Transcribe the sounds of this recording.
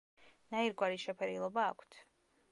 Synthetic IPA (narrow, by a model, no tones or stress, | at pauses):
naiɾɡwaɾiʃɛpʰɛɾilˠɔbaːkʷʰt̪ʰ